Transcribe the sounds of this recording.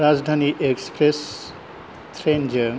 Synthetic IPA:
ɾad͡ʒd̪ʱaniʔekspɾes | t̪ʰɾend͡ʒə

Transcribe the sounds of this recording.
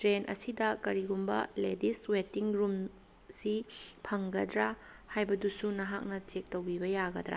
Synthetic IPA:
tɾenʔɐ̰sidɐkɐɾiɡumbɐ̰lediswetiŋɾum | sipʰɐŋɡɐdɾa | hajbɐdusunɐɦak̚nɐt͡ʃek̚towbibɐjaɡɐdɾa̰

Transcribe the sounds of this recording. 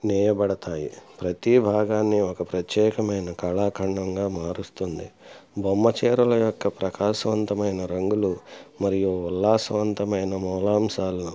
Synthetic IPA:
nɛːjɐbɐɽɐt̪aːjḭpɾɐt̪ibʱaːɡaːnːiɔkɐpɾɐt̪jɛːkɐmɐjnɐkɐɭaːkʰɐɳɖɐŋɡaːmaːɾust̪und̪ibʱomːɐt͡ʃɛːɾɐlɐjɔkːɐpɾɐkaːsɐʋɐnt̪ɐmɐjnɐɾɐŋɡulumɐɾijuːlːaːsɐʋɐnt̪ɐmɐjnɐmɔːlaːmsaːlɐnu

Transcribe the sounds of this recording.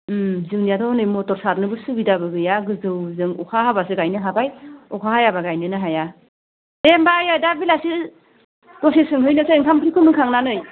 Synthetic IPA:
zɯŋnijadɔnɯjmɔtɔɾsaɾnɯbɯsubidabɯɡɯjaɡɯzɯwzɯŋɔ̰kʰahabasɯɡajnɯɦabajɔkʰahajabaɡajnɯnɯɦaja | dembajadabilasi | d̥ɔsisɯŋɦɯjnɯsaiŋkʰamkʰɯɾikʰɯmɯkʰaŋnanɯj

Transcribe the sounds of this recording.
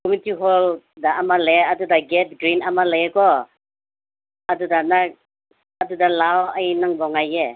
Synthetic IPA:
kʰɔminitiɦɔl | daʔamaleadudaɡɛt̚ɡɾinamalakɔ | adudanak̚ | adudalawajnaŋbɔŋaje

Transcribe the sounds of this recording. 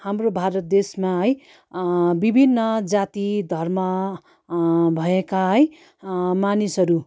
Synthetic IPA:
hamrobʱaɾʌt̪̚d̪esmaɦʌj | bibʱinːʌd͡zat̪id̪ʱʌrmʌ | bʱʌekaɦʌj | manisʌɾu

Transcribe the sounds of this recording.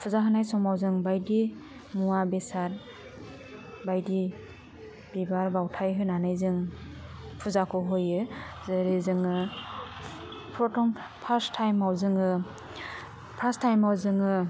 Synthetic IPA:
pʰuzaɦɯnajsɔmawzɯŋbajdi | muabesat̚ | bajdi | b̥ibaɾbawtʰajɦɯnanɯjzɯŋ | pʰuzakʰɔɦojɯzɯɾizɯŋɯ | pʰɾɔtɔŋ | pʰastʰːajmawzɯŋɯ | pʰastʰːajmawzɯŋɯ

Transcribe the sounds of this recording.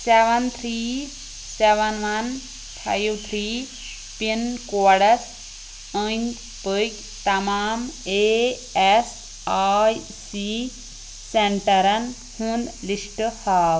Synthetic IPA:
seʋɐnt̪ʰɾiː | seʋɐnʋɐn | pʰa̰jwt̪ʰɾiː | pinkoːɽɐs | ənʲt̪ | pək | t̪ɐmaːme | es | aj | si | seɳʈɐɾɐn | hũnd̪lisʈhaːw

